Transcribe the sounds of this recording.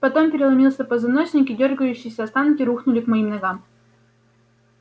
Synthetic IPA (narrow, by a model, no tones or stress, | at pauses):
pɐt̪o̞mpʲɪɾʲɪlˠɐmʲilˠsʲəpəzɐnoɕʲnʲɪkʲɪdʲo̞rɡəjʉɕːɪjːsʲəɐst̪ankʲɪɾuxnʊlʲɪkmɐimnɐɡam